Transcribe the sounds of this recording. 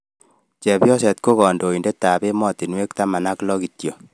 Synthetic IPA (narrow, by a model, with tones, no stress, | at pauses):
t͡ʃɛ˨bjɔ˦sɛ˨t̚ko˦ɣɔ˨ndo˨i˨nde˦tːa˨be˦mɔ˦ti˨nwe˦k̚ta˦ma˨na˦klɔ˦ki˨tjo˨